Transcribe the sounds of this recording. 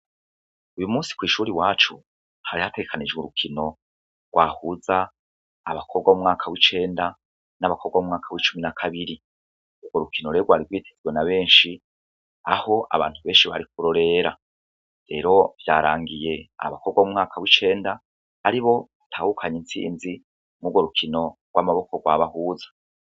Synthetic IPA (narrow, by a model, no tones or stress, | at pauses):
ujumuːsi̥kwiːʃuːɾiwaːt͡ʃu | haɾihate̞ɡekʰanid͡ʒɡuɾukʰino̞ | ɡɡwʔaːhuza̰ː | βakʰo̞b̚ɡaumŋaːkʰawit͡ʃe̞ːnda | naβakʰo̞bɡwamumŋaːkʰawit͡ʃuminakʰaβiɾi | uɡoɾukʰino̞ɾeɾoɡwaːɾiɡwiːtʰezɡwe̞naβe̞ːnʃi | aho̞ʔa̰βa̰ːntuβe̞ːnʃiβa̰ɾik̚uɾo̞ɾe̞ɾa | ɾe̞ɾo̞vjaːɾaːŋɡije̞a̰βakʰo̞bɡaumŋaːkʰawit͡ʃe̞ːndaː | ɾiβo̞βatʰaːhukʰaɲint͡sḭːnzi | ŋuɡwoɾukʰino̞ɡwʔamaβo̞ko̞ɡwaβahuːzḁ